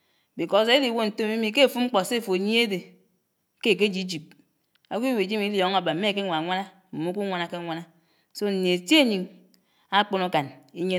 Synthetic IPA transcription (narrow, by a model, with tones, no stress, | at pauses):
bi˨ko˨se˦e˦li˨wo˦n̩˨to˦mi˦mi˨˦ke˦˨fu˦ŋ͡m̩˦k͡po˨se˦˨fo˨ɲi˦e˦de˨ | ke˦˨k̬e˦d͡ʒi˦d͡ʒi˨p̚ | a˨kʷi˦we˨d͡ʒi˦mi˨˦ljo˨ŋa˨ba˨m̩˦me˦˨ke˦ŋʷa˨ŋʷa˦na˦ | m̩˨mu˦ku˦ŋʷa˨na˨ke˦ŋʷa˦na˦ | so˦n̩˨ne˨e˨tje˦ɲi˨ŋ | a˦k͡po˦no˦ka˨ni˦ɲe˦